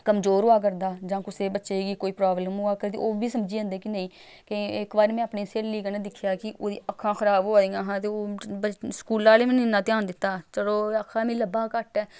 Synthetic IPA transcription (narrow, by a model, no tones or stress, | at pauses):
kəmzoːɾoːaːk̬əɾd̪aːd͡ʒãːkʊseːbətːʃeːɡiːkoːiːpɾaːbləmoːaːkəɾt̪ḛoːbiːsəmd͡ʒiːə̃nd̪eːkɪnəĩː | keɪkbaːɾmɛ̃ːapniːseːlːiːk̬ənẽːd̪ɪkʰːjaːkɪʔoːd̪ḭːʔəkʰːãːxʰəɾaːboːaiːãːɦãːt̪eːoːskuːlaːleːmẽːnɪnːãːt̪ɪjaːnd̪ɪt̪ːaːt͡ʃəɽoːəkʰːãːmĩːləbːãːkəʈɛː